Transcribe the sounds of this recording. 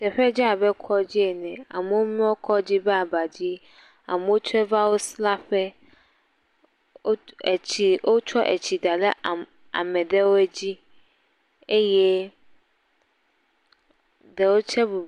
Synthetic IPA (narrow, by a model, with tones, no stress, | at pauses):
tɛ˨ɸɛ˦d͡ʑɛ˦a˨bɛ˦kʰɔ˦d͡ʑi˦ɛ˨nɛ̃˨a̰˨mũ˦wo˦mĩ˦wo˦kʰɔ˦d͡ʑi˦bɛ˦a˨ba˨d͡ʑi˦ | a̰˨mũ˦o˦t͡ʃʰɛ˦va˦wo˦sla˦ɸɛ˦˨ | i˨wo˦t͡ʃʰɔ˦ʔɛ̰˨t͡ɕʰi˨da˨lɛ̰˦˨ | a̰˨mɛ̃˨dɛ˦wo˦ɛ˦d͡ʑi˦ | e˦jɛ˦ | dɛ˨wo˦t͡ɕʰɛ˦bu˨